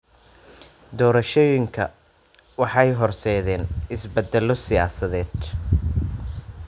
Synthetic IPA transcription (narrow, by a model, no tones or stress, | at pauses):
d̪ɔːɾɐʃɔjɪŋkʰɐ̰ | wɑħɑjɦɔrsɛːðɛːnɪsbɛd̪ːɛlɔsɪja̰ːsɐðɛːd̪